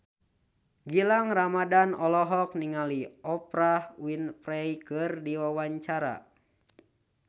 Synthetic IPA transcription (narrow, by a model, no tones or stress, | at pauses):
ɡilaŋramadanɔlɔɦɔk̚niŋaliɔpɾahwinpɾɛjkɨrdiwawaɲt͡ʃaɾa̰